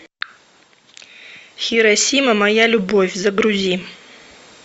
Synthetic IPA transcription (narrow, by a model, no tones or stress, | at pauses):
xʲiɾasʲimamajalʲubovʲzaɡɾuzʲim